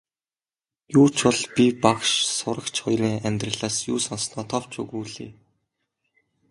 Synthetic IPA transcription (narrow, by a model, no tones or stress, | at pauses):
juːt͡ɕpɔɮpʲipakʃsʊɾə̆kt͡ɕχʊjɾiːŋæmʲt̪rə̆ɮaːsjuːsɔnsnɔːt̪ʰɔw̥t͡ɕɵ̰ɣuːɮḭː